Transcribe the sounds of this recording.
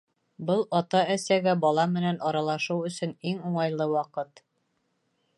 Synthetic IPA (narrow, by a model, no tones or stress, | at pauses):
bɤlˠɒt̪ɑæsæɡæbɒlˠɑmɘ̆nænɒɾɑlˠɑʃɤwɵ̆sɵniŋuɴɑjlˠɤwɑqɤt̪